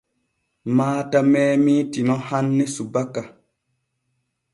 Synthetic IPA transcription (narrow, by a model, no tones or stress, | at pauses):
maːtamɛːmitinɔhanːesubakːa